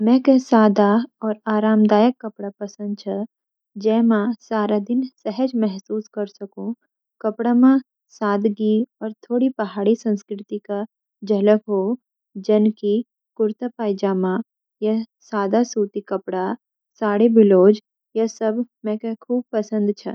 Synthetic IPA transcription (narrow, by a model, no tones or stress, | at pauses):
mɛ̃ːkesaːd̪aɔːɾaːɾaːmd̪aːjəkːɐpɽapɐsə̃nd̪̚t͡ʃʰɐ | d͡ʒɛːmãsaːɾad̪ɪnsɛɦəd͡ʒmɛɦsuːskɐɾsɐkũ | kɐpɽamã | saːd̪ɡiɔːɾt̪ʰoːɽipɐɦaːɽisɐ̃nskɾɪt̪ika | d͡ʒɐləkɦoː | d͡ʒɐnki | kʊɾt̪apaːjd͡ʒaːmã | jɐsaːd̪asuːt̪ikɐpɽa | saːɽebɪloːd͡ʒ | jɐsɐbmɛ̃kekʰuːb̚pɐsə̃nd̪t͡ʃʰɐ̰